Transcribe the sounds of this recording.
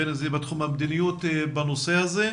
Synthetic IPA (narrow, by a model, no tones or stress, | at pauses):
enazebat̪χumhamd̪inijot̪banosehaze